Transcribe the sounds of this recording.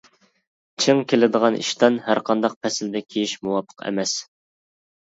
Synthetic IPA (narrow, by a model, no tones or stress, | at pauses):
t͡ʃʰɨŋkʲʰelɪd̪əʁɑnʔḭʃt̪ɑnhæɾqʰɑnd̪ɑq̚pʰɛsɪld̪ɛkʲʰejiʃmuwɑpʰːə̥qʰɛ̰mɛs